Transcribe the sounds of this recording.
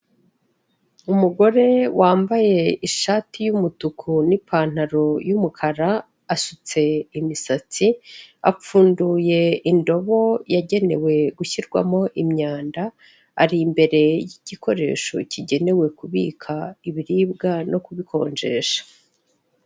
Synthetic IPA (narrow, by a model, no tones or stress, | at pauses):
umuɡo̞ɾe̞wʔaːmbaje̞iʃaːtʰijumutukʰunipʰaːn̥aɾo̞jumukʰaɾa | aʃut͡se̞imisat͡sia̰p͡fuːnduje̞indo̞βo̞jaɟe̞ne̞̰we̞ɡuçiɾɡwa̰mo̞ʔimɲaːnda̰ː | ɾimbe̞ɾe̞jiɟ̥iko̞ɾe̞̰ːʃo̞̰ciɟe̞ne̞we̞kuβḭːkʰaiβiɾiːbɡano̞kuβikʰo̞̰ːɲd͡ʒe̞ːʃḁ